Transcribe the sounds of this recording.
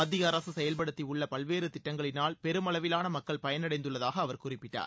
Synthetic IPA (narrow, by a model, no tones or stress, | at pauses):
ɐðɪɣɐːɾɐsɯsɛjɐlpɐɽɯt̪ːiʊɭːɐpɐlʋeːɾɯt̪ɪʈːɐŋɡɐɭɪnaːlpɛɾɯmɐlɐʋɪlaːnɐmɐkːɐɭpɐjɐnɐɽɐɪnd̪ɯɭːɐðaːɣɐːʋɐɾkʊrɪpːɪʈːa̰ːɾ